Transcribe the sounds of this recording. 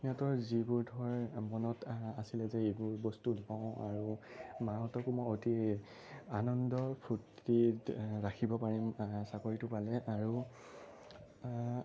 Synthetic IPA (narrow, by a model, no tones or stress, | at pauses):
nɔtɔɹzibuɹdʱɔɹmɔnɔtasilɛzɛebʊɹbɔstulɔʊ̃a̰ɹumaɦɔtɔkumɔjoti | anɔndɔpʰutːiɹakʰibɔpaɹimsaɡoɹitʊpalɛʔaɹu